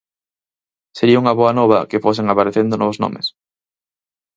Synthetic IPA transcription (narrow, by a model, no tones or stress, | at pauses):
seɾiɐuŋɐβoɐnɔβ̞ɐ̰kɪfos̬eŋapaɾeθend̪ʊnɔβʊzno̰mḛs